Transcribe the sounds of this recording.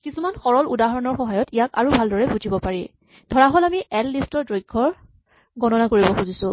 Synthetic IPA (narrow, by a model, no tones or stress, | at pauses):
kisumanxɔɹɔludaɦɔɹɔnɔɹxɔɦajɔtijaka̰ɹubʱaldɔɹɛbud͡ʒibɔpaɹi | dʱɔɹaɦɔlamiʔɛlːistɔɹdojɡʱɔɹ | ɡɔnɔnakoɹibɔxuzisʊ̃